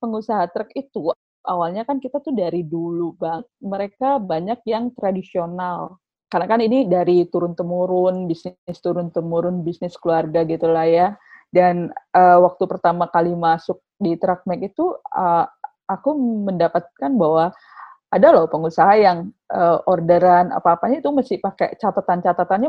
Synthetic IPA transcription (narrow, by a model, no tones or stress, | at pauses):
pəŋusaɦat̪ɾəkit̪u | ʔawalɲakankit̪at̪ʊhdaɾidulubat̪̚məɾekabaɲak̚jaŋt̪ɾadisional | karnakaninidaɾit̪uɾʊnt̪əmuɾʊnbisnɪst̪uɾʊnt̪əmuɾʊnbisnɪskəluarɡaɡit̪ulahjadanəːwak̚t̪upərt̪amakalimasʊk̚dit̪ɾak̚mɛkit̪uə | akuməndapat̪̚kanbaɦwa | adalɔhpəŋusaɦajaŋ | ʔəʔordəɾana̰paːpaɲait̪umasɪhpakḛt͡ʃat̪at̪ant͡ʃat̪at̪anɲa